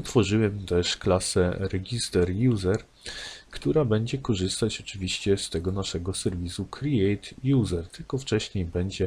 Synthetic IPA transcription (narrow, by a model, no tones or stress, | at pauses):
ɔt̪fɔʐɨwɛmt̪ɛʂklasɛɾɛɡʲist̪ɛɾjuzɛɾ | kt̪uɾabɛɲd͡ʑɛkɔʐɘst̪at͡ɕɔt͡ʂɘvʲiɕt͡ɕɛst̪ɛɡɔnaʂɛɡɔsɛɾvʲisukɾiɛjt̪juzɛɾt̪ɘlkɔft͡ʂɛɕɲejbɛɲd͡ʑɛ